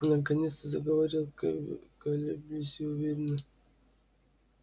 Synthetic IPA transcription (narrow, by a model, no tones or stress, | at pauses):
nək̬ɐnʲet̪st̪əzəɡəvɐɾʲilˠkɐlʲubusʲiʊvʲeɾʲɪnə